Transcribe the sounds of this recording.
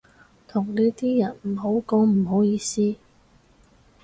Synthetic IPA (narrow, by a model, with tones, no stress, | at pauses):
t̪ʰʊ˨˩ŋliː˥t̪iː˥jɐ˨˩nm̩˨˩ɦo˨˥wko˧wm̩˨˩ɦo˨˥wjiː˧siː˥